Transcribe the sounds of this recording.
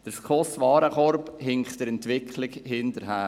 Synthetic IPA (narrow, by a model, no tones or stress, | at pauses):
d̥əɾskʰoːsʋɑːɾəkɔɾphɪŋktəɾɛntʋɪkχlɪkhɪntəɾɦæː